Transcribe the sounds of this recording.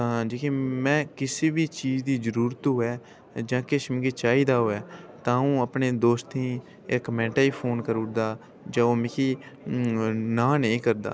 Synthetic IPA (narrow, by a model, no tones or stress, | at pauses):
t̪ãːd͡ʒeːkiːmɛ̃ːkɪsiːbiːt͡ʃiːd͡ʒd̪iːd͡ʒəɾuːɾət̪ɦoːɛː | d͡ʒãːkɪʃmɡeːt͡ʃaːiːd̪aːɦoːɛːt̪ãːũːəpɳeːd̪oːst̪ĩː | ekːəmɛ̃ːɳʈaːiːpʰoːnkəɾʊːʈd̪aː | d͡ʒãːoːmɪkiː | nãːnəĩːkəɾd̪a̰ː